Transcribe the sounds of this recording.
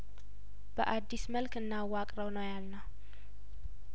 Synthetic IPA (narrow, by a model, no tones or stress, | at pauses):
b̥əʔad̪ːisməlkɨnːawakʼɾəwnəwjalnə